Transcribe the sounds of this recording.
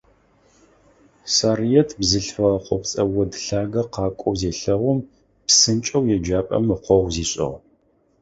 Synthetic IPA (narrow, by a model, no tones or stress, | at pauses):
sarijɛtʰbzɨɬfɐʁɐqʷɔpt͡sʼɐwɔdɬaːɡɐqɑːkʷʼɔwzeːɬɐʁʷʊm | psɨnt͡ʃʼɐwjɛd͡ʒaːpʼɐ̰mɨqʷɔʁʷziːɕʼɐ̰ʁ